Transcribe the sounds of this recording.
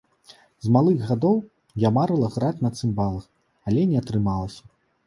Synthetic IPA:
zmalˠɨɣɣad̪ɔw | jamaɾɨlˠɐɣɾat͡sʲnɐt̪sɨmbalˠɐx | alʲɛnʲɛɐt̪ɾɨmalˠɐsʲɐ̥

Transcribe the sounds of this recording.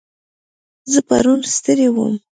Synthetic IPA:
zəpa̰ɾunst̪əɾewə̰m

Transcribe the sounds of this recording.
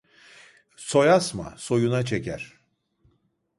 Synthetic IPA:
so̞jasma̰so̞junat͡ʃʰecʰæ̰ɾ̥

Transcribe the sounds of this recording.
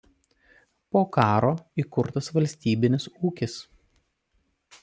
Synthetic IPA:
poːkɑːɾoːiːˑkʊɾt̪ɐsʋɐlʲsʲt̪ʲiːbʲɪnʲɪsuːkʲɪs

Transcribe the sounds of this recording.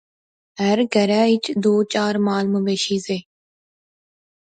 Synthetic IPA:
əɾɡəɾaːɪt͡ʃd̪oːt͡ʃaːɾmaːlmʊbeːʃiːzeː

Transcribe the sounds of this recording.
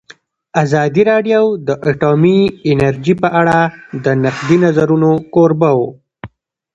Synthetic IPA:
azɑd̪iɾɑɖjawd̪əʔaʈomiɪnaɾd͡ʒipəʔaɽad̪ənaqd̪inazaɾunokoɾbawo

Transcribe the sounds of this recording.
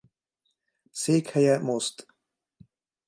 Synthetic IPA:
seːkhɛjɛmost̪

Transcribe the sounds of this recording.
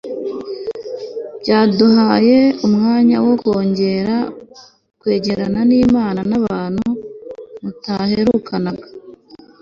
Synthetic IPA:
b̥ɟaːduɦaːje̞umŋaːɲawokwo̞ːɲɟe̞ɾa | kwe̞ːɟe̞ɾananiːmaːnanaβaːn̥hu | mutahe̞ɾuːkanaɡa

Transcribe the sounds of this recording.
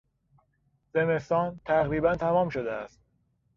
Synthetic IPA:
ze̞me̞st̪ɒːnt̪ʰæɣɾiːbænt̪ʰæmɒːmʃod̪eæst̪

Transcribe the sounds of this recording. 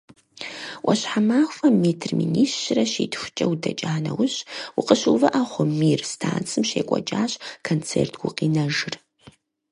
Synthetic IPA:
ʔɐɕħamaːxʷɐmeːtʰrmḭniːɕːɪrɐʃiːtxʷʊt͡ʃʼɐwdɐt͡ʃʼaːnɐwʊɕwʊqəɕuvɐʔaχʷʊmiːrstʰaːnt͡sʼʰɨmʃḛːkʷʼɔ̰t͡ʃʼaːɕkʰɐnt͡sʰḛːrtʰɡ̥ʷʊqiːnɐʒɨr

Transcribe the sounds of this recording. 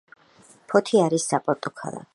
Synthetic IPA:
pʰɔt̪ʰiaɾisːapʼɔɾt̪ʼɔkʰa̰lˠa̰

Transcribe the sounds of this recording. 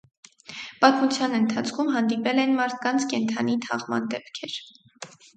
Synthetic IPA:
pɑt̪mut͡sʰjɑnənt̪ʰɑt͡sʰkʰumɦɑnd̪ipɛlɛnmɑɾt̪ʰkɑnt͡sʰkɛnt̪ʰɑnit̪ʰɑ̰ʁmɑ̰nd̪ɛpkʰɛɾ

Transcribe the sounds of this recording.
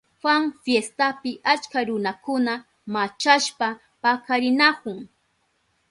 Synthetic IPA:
hʷaŋfjest̪apɪʔat͡ʃkaɾʊnakʊna | mat͡ʃaʃpa | pakaɾɪnakʊŋ

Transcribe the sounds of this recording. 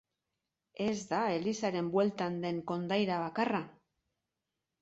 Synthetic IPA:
e̞zd̪ae̞lisaɾe̞mbwe̞lt̪and̪e̞ŋko̞nd̪ajɾaβakara

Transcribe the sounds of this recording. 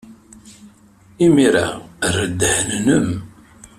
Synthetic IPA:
imiɾa̰rəd̪ːəhnnəm

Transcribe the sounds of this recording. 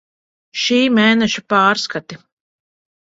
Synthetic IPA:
ʃiːmeːnɛʃupaːɾskat̪i

